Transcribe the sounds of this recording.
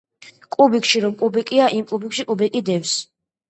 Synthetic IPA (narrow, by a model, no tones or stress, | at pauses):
kʼubikʰʃiɾɔmkʼubɛkʼiaʔimkʼubikʃikʼubɛkʼid̪ɛfs